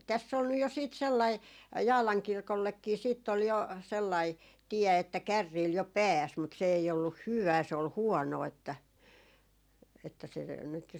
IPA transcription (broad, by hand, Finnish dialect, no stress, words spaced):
tæsː ol nyj jo siːt selːɑi jɑːlɑŋ kirkolːekːiː siːtː ol jo selːɑi tiɛ etːæ kærːiːl jo pæːs mut se ei olːuh hyʋ̆æː se ol huɔnoː etːæ etːæ se nyt jo